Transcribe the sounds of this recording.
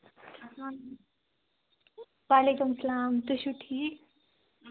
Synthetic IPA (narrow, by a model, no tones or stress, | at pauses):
waːlekumsɐlaːmt̪uɕuʈʰi